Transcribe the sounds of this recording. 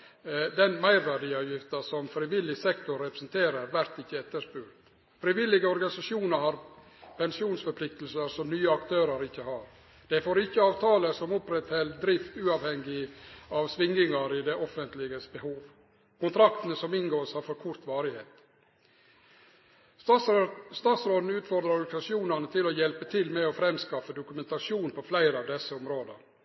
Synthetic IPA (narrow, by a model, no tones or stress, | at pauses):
d̪ɛnmæɪɾʋæɖiːɑʋjɪft̪əsɔmfɾɪʋɪlːɪsɛkt̪ʊɾːɛpɾəsnt̪ʰeːɾəɾʋæɾt̪ɪçːəɛt̪ːəʂpʉɾt̪ | fɾɪʋɪlːɪɡəɔɾɡɑnɪsɑʂjuːnəɾhɑɾ | pʰɛnsɪuːnsfɔɾpʰlɪk̚t̪əlsəɾsɔmnyːəɑkt̪ʰøːɾəɾɪçːəhɑːɾ | d̪̥ɛfoːɾɪçːəɑːʋt̪ʰɑːləsɔmɔpɾɛt̪hɛld̪ɾɪft̪ʉːɑʋhɛŋɡɪɑʋsʋɪŋːɪŋɑɾɪd̪ɛʔɔfənt̪lɪɡəsbəhuːʋ | kʊnt̪ʰɾɑkt̪ənəsɔmɪnɡoːɾsɑːɾfɔɾkʰʊɾt̪ʋɑːɾɪheːt̪ | st̪ɑːt̪sɾoːd̪n̩ʉːt̪fɔɾd̪ɾɑɾɑɡnsɑsɪuːnənət̪ʰɪlɔjɛlpət̪ʰɪlmɛɔfɾɛmskɑfːəd̪ʊkʉmɛnt̪ɑʂuːnpʰɔflæɪɾəɑːʋd̪ɛsːəɔmɾoːd̪ə̰ɾ